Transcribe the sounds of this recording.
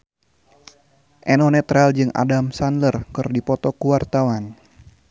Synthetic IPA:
ʔɛnɔnɛt̪ɾald͡ʒɨŋʔa̰damsanlərkɨrdipɔt̪ɔkuwart̪awan

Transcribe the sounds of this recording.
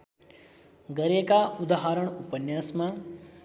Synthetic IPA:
ɡəɾekaud̪aɦaɾəɳupənjaːsmã

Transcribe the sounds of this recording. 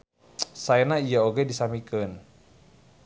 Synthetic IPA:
saɛnaijaoɡɛdisamikən

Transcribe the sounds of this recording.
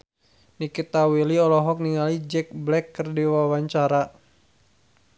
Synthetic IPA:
nikit̪awiliɔlɔɦɔk̚niŋalid͡ʒɛk̚blɛkːərdiwawaɲt͡ʃaɾa

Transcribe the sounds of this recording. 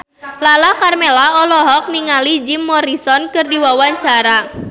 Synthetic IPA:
lalakarmelaɔlɔɦɔk̚niŋalid͡ʒimːɔɾisɔnkɨrdiwawaɲt͡ʃaɾa

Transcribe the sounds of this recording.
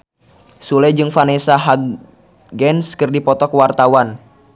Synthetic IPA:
sulɛd͡ʒɨŋfanɛsaɦaɡ | ɡɛnskɨrdipɔt̪ɔkwart̪awan

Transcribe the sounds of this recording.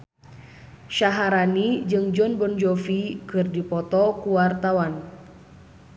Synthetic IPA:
ʃaɦaɾanid͡ʒɨŋd͡ʒɔnbɔnd͡ʒɔfikɨrdipɔt̪ɔkuwart̪awan

